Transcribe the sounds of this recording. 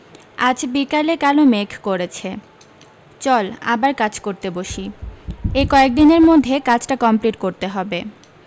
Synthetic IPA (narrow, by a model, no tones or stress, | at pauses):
ad͡ʑbikalekalomekʰkoɾet͡ɕʰe | t͡ɕɔla̰baɾkad͡ʑkoɾt̪eboʃi | ekɔek̚d̪ineɾmod̪ʱːekat͡ɕʈakɔmpliʈkoɾt̪eɦɔbe